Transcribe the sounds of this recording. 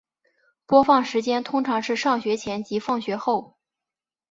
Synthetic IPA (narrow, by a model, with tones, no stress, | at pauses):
pwɔ˥fɑ˥˩ŋʂɻ̩˧˥t͡ɕjɛ˥nt̪ʰʊ˥ŋʈ͡ʂʰɑ˧˥ŋʂɻ̩˥˧ʂɑ˥˩ŋɕɥɛ˧˥t͡ɕʰjɛ˧˥nt͡ɕi˧˥fɑ˥˩ŋɕɥɛ˧˥xo˥˩ʊ